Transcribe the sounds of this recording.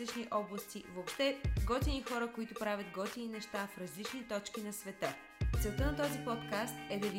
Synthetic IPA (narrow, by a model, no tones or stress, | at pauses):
it͡ʃniʔɔblˠəst̪ivoːpʃt̪ɛɡɔt̪ʲinixɔɾəkoit̪ʊpɾavʲəd̪ɡɔt̪ʲininɛʃt̪afɾɐzlit͡ʃnit̪ɔt͡ʃkinɐsvɛt̪ə | t̪sɛlˠt̪ənɐt̪ɔzipɔt̪kast̪ɛd̪ɐvi